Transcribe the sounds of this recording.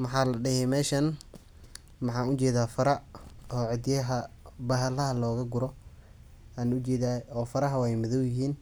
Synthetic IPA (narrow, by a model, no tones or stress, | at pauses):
mɑħɑːlɐɖɪhɛmɛːʃɐn | mɑħɑːnʊt͡ʃɛːðaːfɐɾɐɔːʕɪd̪jɐɦɐbɐɦɐlɐɦɐlɔːɣɐɡʊɾɔ | aːnʊt͡ʃɛːðaːɔːfɐɾɐɦɐwɛjmʊðɔwjɪɦiːn